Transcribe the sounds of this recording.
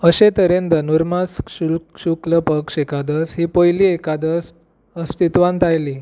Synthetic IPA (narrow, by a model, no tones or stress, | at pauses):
əɕet̪əɾend̪ənuɾmasuɕukləpəkʂekad̪əsɦiːpəjliekad̪əs | əst̪it̪ʋãnt̪ajliː